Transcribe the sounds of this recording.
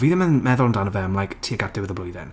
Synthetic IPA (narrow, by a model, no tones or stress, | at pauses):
viːðəmənmɛðʊlˠndanəvɛmlˠajktʰiːəɡadɪwɪðəblʊjðɛn